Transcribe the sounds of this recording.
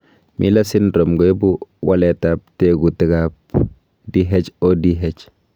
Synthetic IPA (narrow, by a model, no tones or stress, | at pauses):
mʔḭlasindɾomɡoebuwaletap̚teɡutiɡap̚ | diɦet͡ʃodiɦet͡ʃ